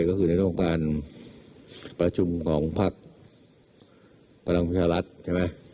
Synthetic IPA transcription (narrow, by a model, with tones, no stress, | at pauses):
kɔː˥˩kʰɯː˧na˧jɾɯ˥˩˦kaː˧n | pɾa˧t͡ɕʰu˧mkʰɔː˩˦ŋpʰa˦˥˩k̚ | pʰa˧la˧ŋpʰa˥t̪̚t͡ɕʰaː˧ɾa˦˥t̪̚t͡ɕʰa˥˩ma˦˥j